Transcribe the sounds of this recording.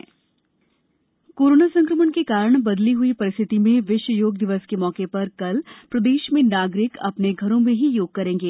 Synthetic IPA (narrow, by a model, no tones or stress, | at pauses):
koːɾoːnasɐ̃ŋkɾəmənkekaːɾəɽ̃bɐd̪liɦʊipɐɾɪst̪ʰɪt̪imẽʋɪʃwəjoːɡ̚d̪ɪʋəskemɔːkepɐɾkɐlpɾɐd̪eːʃmẽnaːɡɾɪkɐ̰pneɡʱɐɾõmẽɦijoːɡ̚kɐɾẽːŋɡeː